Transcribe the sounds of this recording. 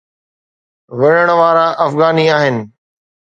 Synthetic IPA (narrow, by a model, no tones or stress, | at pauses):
ʋɐɽəɽ̃ʋaːɾaʔɐfɣaːniaːɦɪnɪ̆